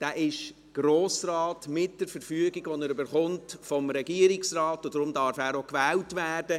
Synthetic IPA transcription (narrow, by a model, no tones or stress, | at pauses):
d̥æːʔɪʃ | ɡ̥ɾoːsrɑːtmɪt̚d̥ɛɾfəɾfyəɡiɡʋɔnɛɾybəɾχʊntfɔmɾɛɡiəɾɪksrɑːtʊd̥ɾʊmdɑɾfæːɾokʋɛːltʋæːrdə